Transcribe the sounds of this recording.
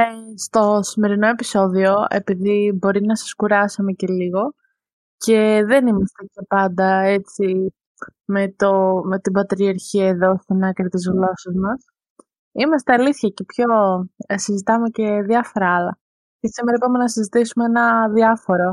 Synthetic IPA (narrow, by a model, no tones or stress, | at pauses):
st̪o̞sime̞ɾino̞e̞piso̞ðio̞e̞̰piðibo̞ɾinɐsɐ̥skuɾɐsomece̞liɣo̞ | ce̞ðe̞nimɐst̪ecepɐnd̪ɐet͡si | me̞t̪ome̞t̪ibɐt̪ɾiɐɾçiɐeðo̞st̪inɐkɾet̪izɣlo̞sɐzmɐs | imɐst̪e̞ɐliθçɐce̞pço̞sizit̪ɐme̞ce̞ðiɐfo̞ɾɐɐlɐ̰ | cesimeɐipɐmenɐsizit̪isumeenɐðiɐfo̞ɾo̞